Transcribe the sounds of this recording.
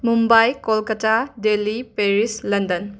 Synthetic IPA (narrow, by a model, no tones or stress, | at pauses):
mumbajkolkɐtadelipeɾislɐndɐn